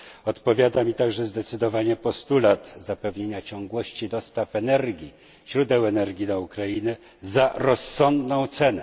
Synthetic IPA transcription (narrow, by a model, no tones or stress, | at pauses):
ɔt̪pɔvʲjad̪amʲit̪aɡʐɛzd̪ɛt̪sɘd̪ɔvaɲɛpɔst̪ulat̪zapɛvɲeɲat͡ɕɔ̃ŋɡwɔɕt͡ɕid̪ɔst̪afɛnɛɾɡʲi | ɕɾud̪ɛwɛnɛɾɡʲid̪aukɾajinɘ | zaɾɔsːɔnd̪nɔ̃w̃t̪sɛnɛ